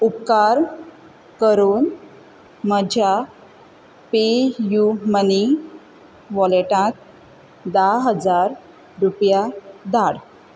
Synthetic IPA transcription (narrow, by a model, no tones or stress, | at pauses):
upkaɾ | kəɾuːn | məd͡ʑʱja | pejuməni | ʋɔleʈãk̚ | d̪aɦəd͡zaɾ | ɾupjad̪aɽ